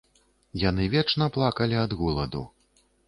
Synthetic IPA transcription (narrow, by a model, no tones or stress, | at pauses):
janɨvʲɛt͡ʂnɐplˠakɐlʲiɐd̪ɣulˠɐd̪ṵ